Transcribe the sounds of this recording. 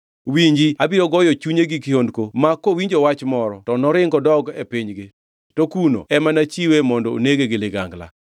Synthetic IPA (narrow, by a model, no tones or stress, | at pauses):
wiɲd͡ʒiabiɾɔɡɔjɔt͡ʃuɲeɡikiondkomakːowiɲd͡ʒowat͡ʃmɔɾɔtɔnɔɾɪŋɡɔdɔɡepiɲɡɪ | tokuno̰ɛmanat͡ʃiwemɔndɔo̰neɡeɡɪlɪɡaŋɡla̰